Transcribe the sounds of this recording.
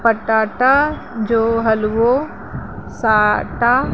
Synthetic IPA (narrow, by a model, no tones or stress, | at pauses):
pəʈaːʈa | d͡ʒoːɦɐlʋo | saːʈa